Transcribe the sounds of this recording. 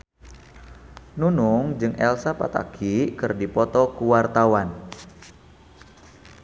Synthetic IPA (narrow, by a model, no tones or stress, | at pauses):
nunʊŋd͡ʒɨŋʔɛlsapa̰t̪a̰kʰikɨrdipɔt̪ɔkuwart̪awan